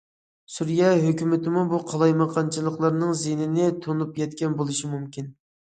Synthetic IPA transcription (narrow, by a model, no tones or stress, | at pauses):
suɾjɛɦøkʲymɪt̪ɪmubuqʰɑlˠɑjmɑqʰɑnt͡ʃʰɨlˠəqlˠɑɾnɨŋzenɪnɪt̪ʰonupjɛt̪kʲɛnbolˠɨʃimumkʲin